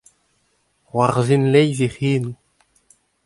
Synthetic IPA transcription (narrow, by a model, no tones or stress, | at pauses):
ʁwaʁzinlɛjviχiːnu